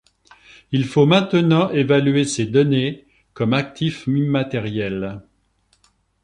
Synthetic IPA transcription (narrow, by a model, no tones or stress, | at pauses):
ilfomɛ̃t̪ənɑ̃ʔevalyesed̪ɔne | kɔmak̚t̪ʰifimat̪ɛʁjɛl